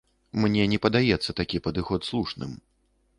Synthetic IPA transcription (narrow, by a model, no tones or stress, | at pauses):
mnʲɛnʲɛpɐd̪ajɛt̪sːɐt̪akʲipɐd̪ɨxɔt̪slˠuʂnɨ̰m